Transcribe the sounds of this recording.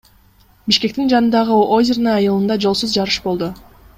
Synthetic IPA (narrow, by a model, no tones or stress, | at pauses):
biʃke̞k̚t̪ind͡ʒɑnɯnd̪ɑʁɯozʲɪrnɑɑjɯlˠɯnd̪ɑd͡ʒo̞lˠsuzd͡ʒɑɾɯʃbo̞lˠd̪u